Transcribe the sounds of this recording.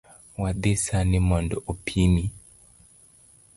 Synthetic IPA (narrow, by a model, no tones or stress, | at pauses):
wad̪esanimɔndɔopʰini